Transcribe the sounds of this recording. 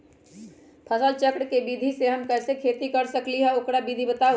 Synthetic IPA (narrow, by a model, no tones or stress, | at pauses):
pʰəsəlt͡ʃəkɽkebiːd̪ʱiseɦɐmkɛːsekʰeːt̪ikɐɾsəkliɦɛʊkɾabiːd̪ʱibət̪a